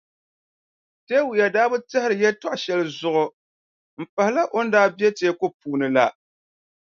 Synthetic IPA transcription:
teː˦wu˨ja˨daː˦bɨ˦tɛ˦hɪ˦ɾɨ˨jɛ˦tɔ˦ʔʃɛ˦lɨ˨zʊ˦ʔʊ˦ | m̩˨pa˨hɪ˦la˦ʔo˦n̩˦daː˦bi˦ɛ˦teː˦ko˦puː˦nɨ˨la˦

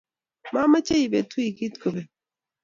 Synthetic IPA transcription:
ma˦mə˦t͡ʃe˦i˨be˨t̪ʰu˦i˨ki˦t̪ko˨be˨

